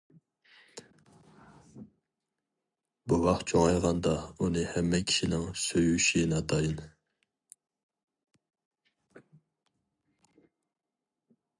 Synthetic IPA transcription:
buwɑqt̪̚t͡ʃʰoŋɑjʁɑnd̪ɑunɨhɛmːɛkʲʰi̥ʃinɪŋsøjyʃinɑt̪ʰɑjin

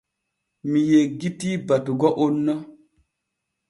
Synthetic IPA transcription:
mijeɡitibatuɡɔʔonːɔ

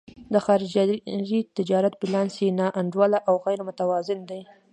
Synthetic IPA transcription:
d̪əxɑɾɪd͡ʒaɾit̪ɪd͡ʒɑɾat̪̚bɪlɑnsinɑʔaɳd͡ʒwalaʔawɣajɾmʊt̪awɑzɪnd̪aj

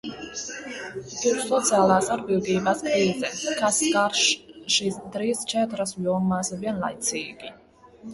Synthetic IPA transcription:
isɔt̪sʰialˠaːsaɾbiwɡ̪iːbaskʼɾiːzɛkʰaskaɾʃʃisd̪ɾiːst͡ʃʰɛt̪ɾasvjɔmasviɛnla̰jt̪sʰiːɡ̥i

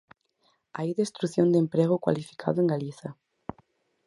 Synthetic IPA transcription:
ajðest̪ɾuθjõnd̪empɾeɣʊkwa̰lifi̥kʰa̰ðʊeŋɡaliθɐ

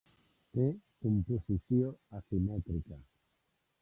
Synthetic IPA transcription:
t̪ekomposiθjoasimɛt̪ɾika

